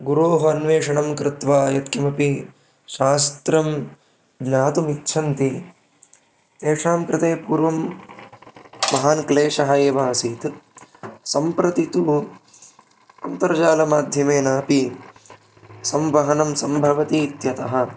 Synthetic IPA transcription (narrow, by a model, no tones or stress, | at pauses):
ɡuɾoːɦɐɐnʋeːʂɐɳɐmkɾɪt̪ʋaːjɐt̪kimɐpi | ʃaːst̪ɾɐm | ɡnaːt̪umikt͡ʃʰɐnt̪i | t̪eːʂaːmkɾɪt̪eːpuːɾʋɐm | ɐɦaːnkleːʂɐɦɐeːʋaːsiːt̪ | sɐmpɾɐt̪it̪u | ɐnt̪ɐɾɐd͡ʒaːlɐmaːd̪ʱjɐmeːnaːpi | sɐmʋɐɦɐnɐmsɐmbʱɐʋɐt̪iːt̪jɐt̪ɐɦɐ̆